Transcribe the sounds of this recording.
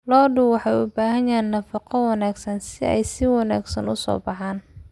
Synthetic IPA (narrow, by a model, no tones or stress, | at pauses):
lɔːɖʊwwɑħɑjʊbaːɦɐnjaːnːɐfɑqɔwɑnaːɡsɐnsɪɛ̰jsɪwɑna̰ːɡsɐ̰nʊsɔ̰ːbɑħaːn